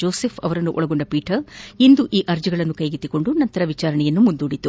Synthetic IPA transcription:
oːseːfʰpʰɐ̰ʋɐɾɐnːuʔɔɭɐɡoɳɖɐpiːʈʰɐɾind̪uʔiːʔɐɾd͡ʒiɡɐɭɐnːukɐjɡit̪ːiko̞ɳɖunɐnt̪ɐɾɐʋit͡ʃaːɾɐɳɛjɐnːumund̪uːɽit̪ːu

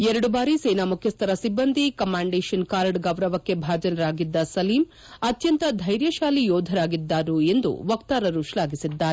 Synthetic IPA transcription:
ɛɾɐɽubaːɾiseːnaːmukʰjɐst̪ʰɐɾɐsibːɐnd̪ʱikɐmːaːɳɖeːʃɐnkaːɾɖɡɐʋɾɐʋɐkːe̞bʱaːd͡ʒɐnɐɾaːɡid̪ːɐsɐliːm | ɐt̪jɐnt̪ɐd̪ʱɐjɾjɐʃaːlijɔːd̪ʱɐɾaːɡid̪ːaːɾue̞nd̪ṵʋɐkt̪aːɾɐɾuʃlaːɡisid̪ːaːɾe

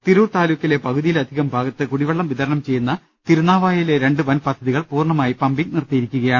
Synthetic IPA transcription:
t̪iɾuːrt̪aːluːkʲːile̞pɐɣuðijilɐd̪ʱiɣɐmbʱaːɡɐt̪ːɨkuɽiʋɐɭːɐmʋiðɐɾɐɳɐmt͡ɕe̞jːunːɐ | t̪iɾunaːʋaːjiileɾe̞ɳɖɨʋɐnpɐd̪ʱɐðiɣɐɭpuːrɳɐmaːjipɐmbiknirt̪ijiɾikʲːuɣɐjaːɳɨ

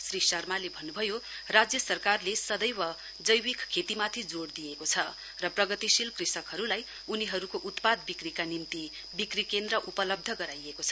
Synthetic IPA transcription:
srisʌrmalebʱʌnːubʱʌjo | rad͡zjʌsʌrkarlesʌd̪ʌjwʌ | d͡zʌjwikkʰːet̪imat̪ʰid͡zoɽd̪ijekot͡sʰʌ | rʌprʌɡʌt̪isilkrisʌkɦʌɾulaj | uniɦʌɾukoʔut̪pad̪̚bikrikanimt̪i | bikrikend̪ɾʌʔupʌlʌb̚d̪ʱʌɡʌɾajekot͡sʰʌ

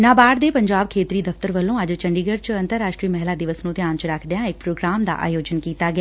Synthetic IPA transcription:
nãːbaːɽd̪eːpəɲd͡ʒaːb̚kʰeːt̪ɾiːd̪əft̪əɾʋəlːõːəd͡ʒt͡ʃəɳɖiːɡəɾt͡ʃə̃nt̪əɾːaːʃʈɾiːmɛɦlaːd̪ɪʋəsnũːt̪ɪjaːnt͡ʃəɾəkʰd̪ejãːɪk̚pɾoːɡɾaːmd̪a̰ːʔa̰ːjoːd͡ʒənkiːt̪aːɡɪaː

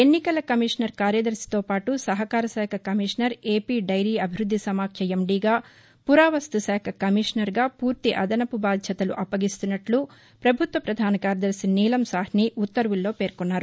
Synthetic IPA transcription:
enːikɐlɐkɐmiʂnɐɾkaːɾjɐd̪ɐɾsi̥t̪o̞ːpaːʈusɐɦɐkaːɾɐsɛːkʰɐkɐmiʂnɐɾe̞ːpiːɖɐjɾiːɐbʱiɾud̪ʱːisɐmaːkʰjɐemɖiːɡaː | puɾaːʋɐst̪usɛːkʰɐkɐmiʂnɐɾɡaːpuːɾt̪iʔɐd̪ɐnɐpubaːd̪ʱjɐt̪ɐluʔɐpːɐɡist̪unːɐʈlu | pɾɐbʱut̪ʋɐpɾɐd̪ʱaːnɐkaːɾjɐd̪ɐɾsiniːlɐmsaːɦniʔut̪ːɐɾʋulːo̞ːpe̞ːɾkunːaːɾu

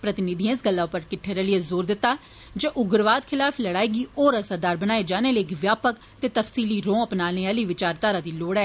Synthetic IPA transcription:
pɾət̪ɪnɪd̪ʱĩɪsɡəlːaːpəɾkɪʈʰːeːɾeːləijeːzoːɾd̪ɪt̪ːaː | d͡ʒəʔʊɡəɾʋaːd̪kʰɪlaːpʰləɽaːiːɡiːʔɔːɾəsaːd̪aːɾbənaːeːd͡ʒaːneːləːkiʋjaːpək | t̪eːt̪əfsiːliːɾõːəpnaːneːaːliːʋɪt͡ʃaːɾt̪aːɾaːd̪iːloːɽɛː

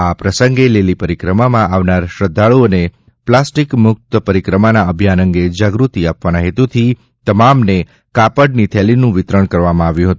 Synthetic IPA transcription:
apɾəsəŋɡelelipəɾikɾəmamãʔaʋnaɾʃɾəd̪ʱːaɭuəne | plasʈikmʊk̚t̪əpəɾikɾəmanaəbʱjanə̃ŋɡed͡ʒaɡɾut̪iapʋanaɦet̪ut̪ʰi | t̪əmamne | kapəɖnit̪ʰɛlinũʋɪt̪ɾəɳ̃kəɾʋamãaʋjũɦət̪ũ

